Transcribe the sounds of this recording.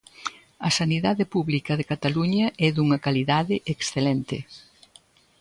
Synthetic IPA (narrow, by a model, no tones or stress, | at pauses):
ɐsaniðaðɪpuβlikɐðekat̪aluɲɐɛðuŋɐkaliðaðɪʔeksθelɛnt̪ɪ